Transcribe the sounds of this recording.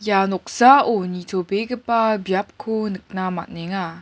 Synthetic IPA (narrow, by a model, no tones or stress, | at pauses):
janɔk̚saʔonitʰobekəpabjap̚kʰunɯk̚nama̰t̚neŋa